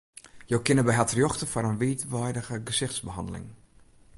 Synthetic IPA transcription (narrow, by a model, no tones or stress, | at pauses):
jokɪnəbɛjɦatrjoxtəfaɾənʋiːtʋɔjdəɣəɡəsɪxtsbəɦɑ̰ndə̰lɪ̰ŋ